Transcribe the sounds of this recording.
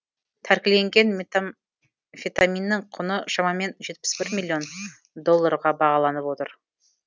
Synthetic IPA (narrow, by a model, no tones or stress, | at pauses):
t̪ʰæɾkʲɪle̞ŋɡʲe̞n | fʲet̪amʲinːɪɴqʰʊnəʃɑmɑme̞nʒe̞t̪̚pɪ̥sbɪɾmʲilʲːjo̞n | d̪o̞lˠːaɾʁɑbɑʁɑlˠɑnəpwo̞t̪əɾ